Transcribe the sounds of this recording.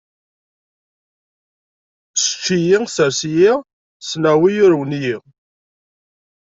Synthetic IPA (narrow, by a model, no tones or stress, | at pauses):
sə̥t͡ʃːijisæɾsiji | snæwijʊɾwənji